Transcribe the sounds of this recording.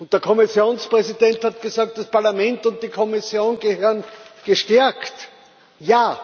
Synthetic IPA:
ʊnt̚d̥eɐkʰɔmɪsjoːnspʁɛzidɛnthatɡ̥əzaːk̚t̚d̥aspaɐlamɛ̃ntʊ̃nt̚d̥ikʰɔmɪsjoːnɡəhøːɐənɡ̥əʃtɛɐkt | jaː

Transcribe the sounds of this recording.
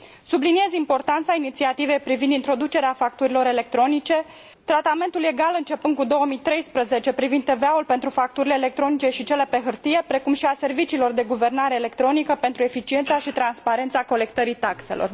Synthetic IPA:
sublinie̞zimpo̞rt̪ant̪sainit̪siat̪ive̞jpɾivind̪int̪ɾo̞d̪ut͡ʃe̞ɾeafak̚t̪uɾilo̞ɾe̞le̞k̚t̪ɾo̞nit͡ʃe̞ | t̪ɾat̪ame̞nt̪ule̞ɡalɨnt͡ʃe̞pɨnɡ̪̚kud̪o̞wəmijt̪ɾe̞jspɾəze̞t͡ʃe̞pɾivind̪e̞veaulpe̞nt̪ɾufak̚t̪uɾileːlek̚t̪ɾo̞nit͡ʃe̞ʃit͡ʃe̞le̞pe̞ɦɨrt̪ije̞pɾe̞kumʃiase̞rvit͡ʃiːlo̞rd̪e̞ɡuve̞rnaɾe̞ːle̞kt̪ɾo̞nikəpe̞nt̪ɾue̞fit͡ʃie̞nt̪saʃit̪ɾanspaɾe̞nt̪sako̞le̞kt̪əɾit̪akse̞̰lʔo̰r

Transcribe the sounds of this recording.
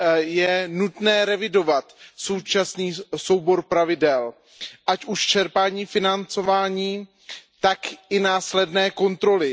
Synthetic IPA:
jɛnut̪nɛːɾɛvɪdo̞vat̪so̞wt͡ʃasniːso̞wbo̞ɾpɾavɪdɛl | ʔacuʃt͡ʃɛɾpaːɲiːfɪnant͡so̞vaːɲiː | t̪akɪnaːslɛdnɛːko̞nt̪ɾo̞lɪ

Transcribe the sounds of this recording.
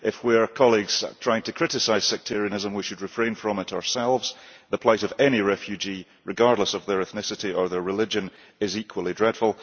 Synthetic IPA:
ʔɪfwiɹkʰɔlˠiɡz̥tʰɹ̥aɪɪ̃ŋtʰɨkʰɹ̥ɪʔɪsaɪz̥sɛk̚tʰɪɹiɨnɪzə̃mwiʃɨd̚ɹɨfɹẽɪ̃nfɹə̃mɪʔəə˞sɛlˠvz̥ðəpʰl̥ˠaɪʔəvɛñiɹɛfjʉd͡ʒi | ɹɪɡaɹdˡlˠəsəvðə˞ɛθnɪsɪʔiə˞ðə˞ɹɪlˠɪd͡ʒə̃n | ɪzikʰwəlˠidɹɛd̥fəl̩ˠ

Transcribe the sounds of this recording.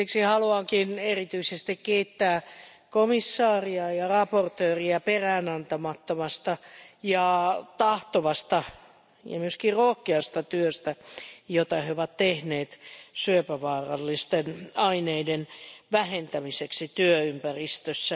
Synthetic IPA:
iksihɑluɑŋkinerit̪yisest̪ikkeit̪ːæː | komisːɑːriɑjɑrɑport̪øːriɑperæːnɑnt̪ɑmɑt̪ːomɑst̪ɑjɑt̪ɑht̪oʋɑst̪ɑ | jɑ̰myøskirrohkeɑst̪ɑt̪yøst̪æjot̪ɑheoʋɑt̪tehneːt̪syøpæʋɑːrɑ̰lːist̪enɑineidenʋæhent̪æmiseksit̪yøympærist̪øsːæ

